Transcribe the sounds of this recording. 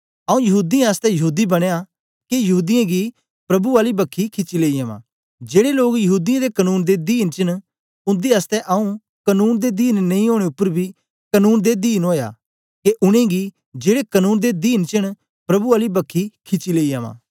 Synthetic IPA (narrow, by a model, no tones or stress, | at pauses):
ɐːũjɐɦuːd̪ijãɐst̪ɛjɐɦuːd̪ibɐɽ̃eːa | kejɐɦuːd̪ɪjãɡi | pɾɐbuaːlibɐkʰːikʰɪt͡ʃːileːiaːʋã̰ː | d͡ʒeːɽeloːɡjɐɦuːd̪ijãd̪ekɐnuːnd̪ed̪iːnt͡ʃɪɽ̃ | ʊ̃nd̪iast̪ɛʔɐũ | kɐnuːnd̪ed̪iːnnɐĩɦoːɽ̃eʊpːəɾbʱi | kɐnuːnd̪ed̪iːnoːja̰ | keʔʊɽ̃ẽɡi | d͡ʒeːɽekɐnuːnd̪ed̪iːnt͡ʃɪɽ̃ | pɾɐbuaːlibɐkʰːikʰɪt͡ʃileːiaːʋã̰ː